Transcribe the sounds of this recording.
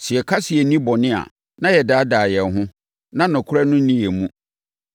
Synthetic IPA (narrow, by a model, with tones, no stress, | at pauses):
sɪ˨ɛ˨kʰa˦si˨ɛ˨˦nĩ˦bɔ˨nɪ̃˦a̰˨ | nã˦jɛ˨daː˦daː˨jɛ˨nɦʊ̃˦ | nã˦nʊ̃˨kʰʊ˦ɾɛ˦nʊ̃˦n̩˦nĩ˦jɛ˨mũ˦